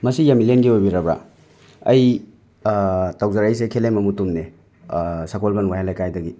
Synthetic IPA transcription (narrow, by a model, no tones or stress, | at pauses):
mɐsijamilenɡiojbiɾɐba̰ | ɐj | tawzaɾɐjs̬ekʰelemɐmutumne | sakolbanwaɦelajkajdɐɡi